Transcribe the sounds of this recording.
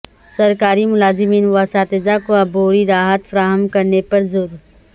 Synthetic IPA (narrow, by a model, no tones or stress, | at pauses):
sɐɾkaːɾimʊlaːzɪmiːnʋaːsaːt̪ed͡ʒakoɐboːɾiɾaːɦət̪fɐɾaːɦəmkɐɾnepɐɾzʊɾ